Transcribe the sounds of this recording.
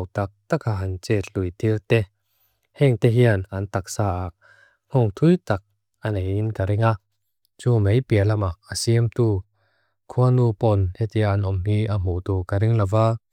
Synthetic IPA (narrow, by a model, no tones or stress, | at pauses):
wt̪ak̚t̪akʰaʔɐnt͡sɛt̪̚lujt̪ilt̪ɛ | hɛŋt̪ɛɦianɐnt̪ak̚saːʔaʔ̚ | ŋ̥ɔŋt̪ʰujt̪ak̚ | ʔanejinkaɾɪŋa | t͡sumejpiəlɐmaʔasiəmt̪uː | kʰuɐnupɔnhɛt̪iaʔɐnʔɔmhiʔam̥ut̪uːkaɾɪŋlavaː